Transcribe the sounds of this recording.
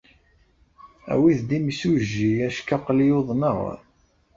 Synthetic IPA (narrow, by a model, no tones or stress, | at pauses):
æ̰wiðd̪imisuʒːiæʃkaqlijoðˤnəʁ